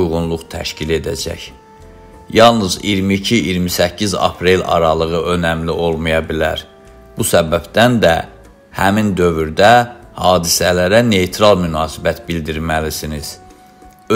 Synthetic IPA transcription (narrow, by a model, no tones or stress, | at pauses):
ujʁunlˠuχt̪ʰæ̰ʃcile̞d̪æ̰d͡ʒæ̰ç | jɑlˠnɯzḭɾmicʰiiɾmisæcʰːizɑ̰pʰɾe̞lɑ̰ɾɑlˠɯɣɯʔø̞næmlio̞lˠmujɑbilæ̰ɾ | b̥usæbæbd̪ænd̪æ | hæmind̪ø̞vyɾd̪æhɑːd̪isælæɾæne̞jt̪ʰɾɑlˠmynɑːsibæt̪bild̪iɾmælisiniz̥ | ø